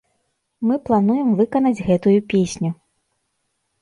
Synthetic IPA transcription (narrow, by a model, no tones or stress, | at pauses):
mɨplˠanujɛmvɨkɐn̪ɐd͡zʲɣɛt̪ujupʲesʲnʲu